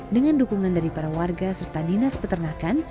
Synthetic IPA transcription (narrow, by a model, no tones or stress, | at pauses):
dəŋandukuŋandaɾipaɾawarɡasərt̪adinaspət̪ərnakan